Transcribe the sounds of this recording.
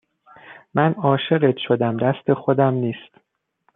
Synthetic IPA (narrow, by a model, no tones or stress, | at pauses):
mænɒːʃe̞ɢet̪ʰʃo̞d̪æmd̪æst̪ʰe̞xod̪æmniːst̪